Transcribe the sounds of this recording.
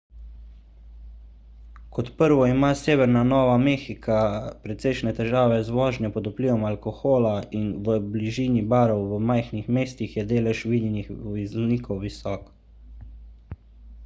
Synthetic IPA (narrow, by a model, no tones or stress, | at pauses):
kɔt̪pəɾʋɔimaːseːʋɛɾnanɔːʋameːxikʰapɾɛt̪sɛjʃnɛt̪ɛʒaːʋɛzʋɔːʒnjɛpɔd̪upliːʋɔmalkɔxoːlainʋəbliʒiːnibaːɾɔwʋəmajxnixmeːst̪ixjɛd̪eːlɛʃʋid̪ɛnixʋiznikɔwʋisɔːk